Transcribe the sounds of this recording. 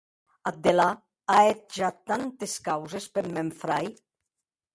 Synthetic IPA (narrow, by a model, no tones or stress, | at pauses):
ad̪ela | aet̪̚ʒat̪ːant̪eskawzespeɾmeɱfɾaj